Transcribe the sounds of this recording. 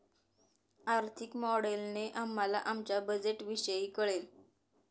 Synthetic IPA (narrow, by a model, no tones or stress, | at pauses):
aɾt̪ʰikmɔɽelneʔamːalaʔamt͡ɕjabəd͡zeʈʋiɕəjiːkəɭel